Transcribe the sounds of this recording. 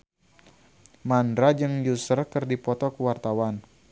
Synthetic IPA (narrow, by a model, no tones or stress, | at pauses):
mandɾad͡ʒɨŋjusərkərdipɔt̪ɔkəwart̪awan